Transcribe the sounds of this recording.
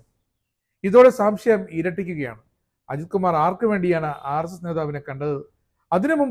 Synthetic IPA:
iðo̞ːɽesaːmɕɐjɐmiːɾɐʈːikʲːuɣɐja̰ːɳɨ | ɐ̰d͡ʑit̪̚kumaːraːrkːɨʋe̞ːɳɖijaːɳɨʔaːrɐs̬ɐsneːðaːʋine̞kːɐɳɖɨ | ɐðinɨmum

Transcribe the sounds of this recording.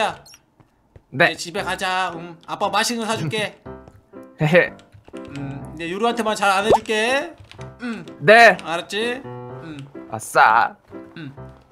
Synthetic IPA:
a | neet͡ɕibe̞kad͡ʑaɯmap͈amaɕʰinɯsʰad͡ʑuk͈e | ne | ɯmid͡ʑejuɾuɦantʰemant͡ɕaɾaned͡ʑuk͈e | ɯmneaɾɯt͡ɕ͈ʰiɯma̰s͈a̰ | ɯm

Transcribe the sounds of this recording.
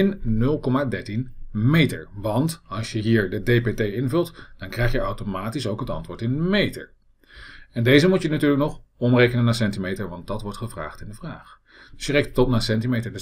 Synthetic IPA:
ɪnnɵlˠkɔmaːdɛɹtinmejtə̰ɹʋɑntɑlˠʃjəɦiːɹdədepetejɪnvɵlˠtd̥ɑnkrɛjχjəawtomaːtisowkɦətɑ̰ntʋʊːɹtɪnmejtə̰ɹ | ɛndejzəmutjənatyːɹləknɔχ | ɔmrejkənənaːsɛntimejtəɹʋɑnt̚dɑtʋɔɹtχəvra̰ːχtɪndəvraːχ | d̥ɵsjərejk̚ttɔtnaːsɛntimejtəɹdə

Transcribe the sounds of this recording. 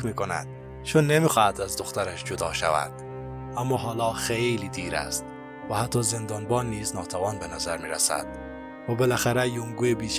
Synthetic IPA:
miːkonæ̰d̪̥ | t͡ʃʰunːemiχɔhæt̪æzd̪oχt̪aɾaʃd͡ʒud̪ɒʃa̰væ̰d̪̥ | æmːɔɦɒːlɒχejlid̪iɾæ̰st̪ | væhat̪ʰːɒzend̪ɒːnbɒnːiːznɒːt̪ʰavɒːnbenæzæɾmiɾæsæ̰d̪̥ | væbelæxæɾæjuŋɡuebit͡ʃ

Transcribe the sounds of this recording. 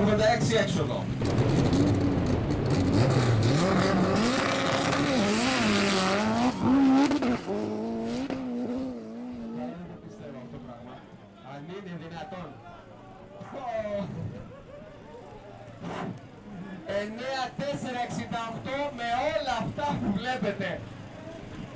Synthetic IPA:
ked̪eɛksiɛksoðo̰ | anit̪opist̪eðaft̪opɾaɣma | ɐnineðinɐt̪o̞n | o | eneɐt̪eseɾɐeksind̪ɐoxt̪o̞me̞o̞lɐːft̪ɐpuvle̞pe̞t̪e̞

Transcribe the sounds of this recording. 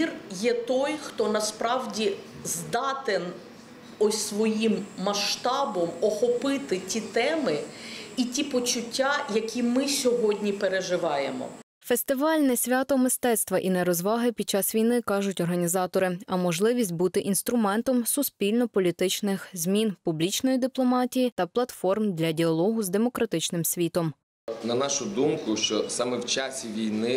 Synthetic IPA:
irjɛt̪ɔjxt̪ɔnɐspɾɑwdʲi | zd̪ɑt̪en | ɔsʲsʋɔjimːɐʃt̪ɑbɔmɔxɔpɪt̪ɪtʲit̪ɛmɪitʲipɔt͡ʃʊtʲːajɐkʲimɪsʲɔɦɔdʲnʲipeɾeʒɪʋɑjḛmɔ̰ | fest̪ɪʋɑlʲnɛsʲʋʲɑt̪ɔmɪst̪ɛt̪st̪ʋɐʔinɛɾɔzʋɑɦɪpʲid̪̚t͡ʃɑsʋʲijnɪkɑʒʊtʲɔrɦɐnʲizɑt̪ɔɾɪɐmɔʒlˠɪʋʲisʲt̚ʲbut̪ɪʔinst̪ɾʊmɛnt̪ɔmsʊsʲpʲilʲnɔpɔlʲit̪ɪt͡ʃnɪxzʲmʲinpublʲit͡ʃnɔjid̪ɪplˠɔmɑtʲijit̪ɐplˠɐt̪fɔrmd̪ʲlʲɐdʲiɐlˠɔɦʊzd̪emɔkɾɐt̪ɪt͡ʃnɪmsʲʋʲit̪ɔm | nɐnɑʃʊd̪umkʊʃt͡ʃɔsɑmɛwt͡ʃɑsʲiʋʲijnɪ

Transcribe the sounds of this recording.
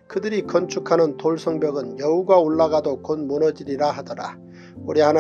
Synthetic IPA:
kɯdɯɾikʌnt͡ɕʰukʰanɯntoɭsʰʌŋbjʌɡɯnjʌuɡaoɭːaɡadokonmunʌd͡ʑiɾiɾaɦadʌɾa̰ | uɾihan

